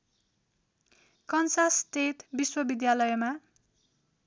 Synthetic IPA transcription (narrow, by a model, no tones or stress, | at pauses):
kʌnsasʈet̪biswʌbid̪jalʌjma